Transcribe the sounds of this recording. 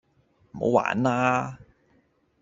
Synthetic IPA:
m̩˨˩ho̰˨˥wa̰ː˨˥nlaː˥

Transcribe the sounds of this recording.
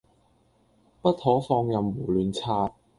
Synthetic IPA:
pɐ˥t̚hɔː˨˥fɔː˧ŋjɐ˨mwuː˨˩lyː˨nt͡sʰaː˧t̚

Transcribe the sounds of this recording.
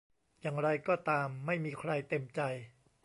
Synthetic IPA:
jaː˨˩ŋɾa˧jkɔː˥˩t̪aː˧mːa˥˩jmiː˧kʰɾa˧jt̪e˧mt͡ɕa˧j

